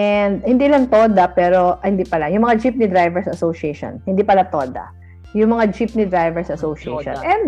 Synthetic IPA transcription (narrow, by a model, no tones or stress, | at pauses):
ʔɛnd̪̚hɪnd̪iːlaŋt̪oːd̪ɐpɛːɾo̞hɪnd̪ipɐlajʊŋmɐŋad͡ʒip̚nɪd̪ɾajvɛɹsɐsoʃɪɛjʃo̰nhɪnd̪iːpɐlat̪oːd̪ɐ̰ | jʊŋmɐŋad͡ʒip̚nɪd̪ɾajvɛɹsʔɐsoʃɪɛ̰jʃo̰nɛd̪